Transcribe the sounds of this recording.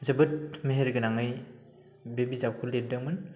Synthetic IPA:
zɯbɯt̚meɦeɾɡɯnaŋɯj | bebizap̚kʰuleɾ̚dɯŋmɯn

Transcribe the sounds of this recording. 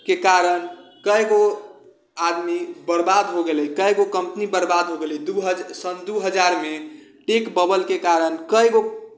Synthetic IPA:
kekaɾənkəjɡo | ad̪mibəɾbad̪ɦoɡeləkəjɡokəmpnibəɾbad̪ɦoɡelɛid̪uɦəd͡ʒsənd̪uɦəd͡ʒaɾme | ʈekbəbəlkekaɾənkəjɡo

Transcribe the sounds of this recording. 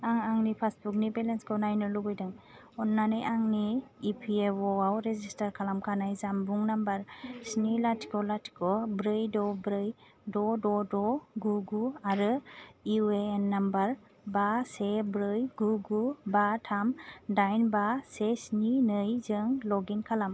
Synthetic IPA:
aŋaŋnipʰasbuk̚nibelenskʰɔnajnɯlubɯjdɯŋ | ɔnːanɯjʔaŋniːpʰieɔawɾezistaɾkʰalamkʰanajzambuŋnambaɾsnilatʰi̥kʰɔlatʰi̥kʰɔbɾɯjdɔbɾɯj | dɔdɔdɔɡuɡuaɾɯiweːnːambaɾ | basebɾɯjɡuɡubatʰamdajnbasesninɯjzɯŋlɔɡinkʰalam

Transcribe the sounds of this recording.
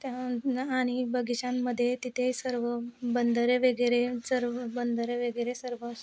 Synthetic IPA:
t̪jaaɽ̃ibəɡit͡ɕamːəd̪ʱːjet̪it̪ʰesəɾʋəbənd̪ʱəɾeʋəɡɾesəɾʋəbənd̪ʱəɾeʋeɡeɾesəɾʋəːst̪

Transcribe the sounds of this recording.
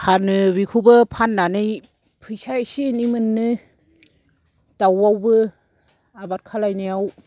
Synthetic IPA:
hʰanɯbikʰubɯpʰanːanɯj | pʰɯjsasinimɯnːɯ | d̥awawbɯ | abat̚kʰalajnijaw

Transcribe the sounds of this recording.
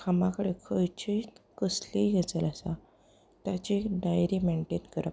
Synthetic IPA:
kʰamãkəɽekʰəjt͡ɕit̪kəsliɡʱet͡səlasa | t̪jat͡ɕiɖajɾimeɳʈet̪kəɾə

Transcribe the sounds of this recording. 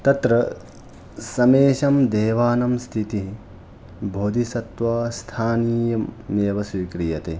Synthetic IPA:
t̪ɐt̪ɾɐ | sɐmeːʃɐmd̪eːʋaːnɐmst̪ʰit̪i | bʱoːd̪isɐt̪ʋaːst̪ʰaːniːjɐmːjeːʋɐsʋiːkɾijɐt̪e

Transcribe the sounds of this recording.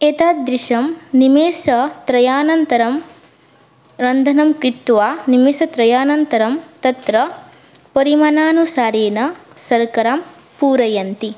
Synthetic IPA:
eːt̪aːt̪̚d̪ɾiʃɐmnimeːsɐt̪ɾɐjaːnɐnt̪ɐɾɐm | ɾɐnd̪ʱɐnɐmkɾit̪ːʋaːnimeːsɐt̪ɾɐjaːnɐnt̪ɐɾɐmt̪ɐt̪ɾɐ | pɐɾimaːnaːnusaːɾeːnɐ | sɐɾkɐɾaːm | puːɾɐjɐnt̪i

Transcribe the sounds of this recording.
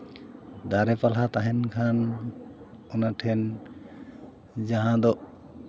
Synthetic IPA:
d̪aɾɛpalɦat̪aɦɛnkʰan | ɔnaʈʰɛn | d͡ʒaɦãd̪ɔʔ

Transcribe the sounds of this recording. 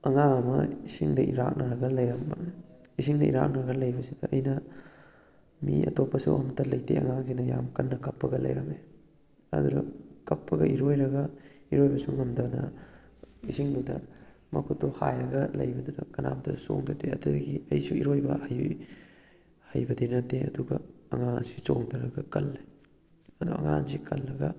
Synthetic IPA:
ɐŋaŋɐmɐisiŋdɐʔiɾak̚nɐɾɐɡɐlɐjɾɐmbɐ | isiŋdɐiɾa̰k̚naɾɐɡɐlɐjbɐsidɐɐjnɐ | miɐ̰topːɐsuɐmtɐlɐjtʰeʔɐ̰ŋaŋzinɐjamkɐnːɐkɐpːɐɡɐlɐ̰jɾɐme | ɐ̰dudɐkɐpʰːɐɡɐʔiɾojɾɐɡɐiɾojbɐsuŋɐmdɐwnɐ̰ | isiŋdudɐ | mɐkʰutːohajɾɐɡɐlɐjbɐdudɐkɐnamtɐso̰ŋdɐteɐdudɐɡiɐjsuiɾojbɐhɐj | hɐjbɐdinɐtːeɐduɡɐɐŋansisoŋdɐɾɐɡɐkɐlːe | ɐduɐ̰ŋanzikɐlːɐɡɐ

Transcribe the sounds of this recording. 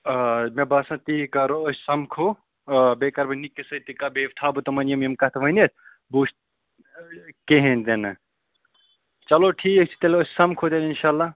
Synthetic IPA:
mebɐsɐ̃t̪ikɐɾoosʲsɐmkʰo | bekɐɾbɐnikːesɐt̪ikɐbʱeʋʈʰaːbut̪ɐmɐnjɐmjɐmkɐt̪ʰʋɐnet̪ʰ | buʃt̪̚ | keɦẽnd̪enɐ | t͡ʃɐloʈʰiːk̚t͡ʃʰi̥t̪elosʲsɐmkʰod̪eninʃaːlːa

